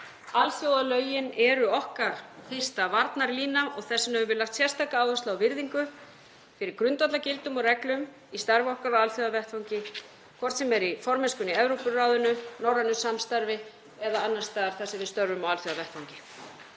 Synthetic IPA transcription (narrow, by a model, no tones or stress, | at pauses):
alθjowðalœːɥjɪnɛɾʏɔhkaɾ̥fɪr̥st̪avaɾt̪naɾliːnaɔɣθɛsːɪnɛvʏvɪɾlaxkt̪sjɛr̥st̪ʰaːkaaːwðast̪laːwvɪɾðiŋkʏ | fɪɾɪɾkɾʏnt̪at̪lacɪlt̪ʏmɔrɛklʏm | ist̪aɾvɔhkaɾawalθjowðavɛrt̪fawŋcɪ | kʰvɔr̥t̪sɛmɛɾifɔɾmɛnskʏniɛvɾowpʏraːwðʏnʏnawɾanʏsamst̪aɾvɪ | ɛðaanːḁst̪aːðaɾ̥θɛsɪvɪðst̪œɾvʏmawalθjowðavɛht̪fawŋcɪ̥